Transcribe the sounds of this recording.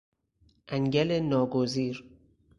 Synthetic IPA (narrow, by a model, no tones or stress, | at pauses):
ʔæŋɟælenɒːɡoziːɾ